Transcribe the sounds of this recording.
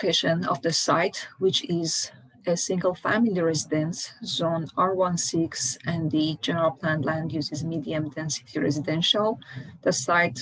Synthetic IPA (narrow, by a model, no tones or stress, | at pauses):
kʰeʃɨ̃nɔ̰vðəsaɪtwɪt͡ʃɪz | əsɪ̃ŋɡəlˠfæ̰̃milˠiɹɛzidɨ̃nsz̥õnɑɹwʌ̃nsɪksɨ̃nðɨd͡ʒɛnəɹəlˠpʰlæ̃nlæ̃ŋɡwuzɨzmidiɨ̃mtʰɛ̃nsi̥tʰiɹɛ̰zidɛ̃nʃəlˠðəsaɪt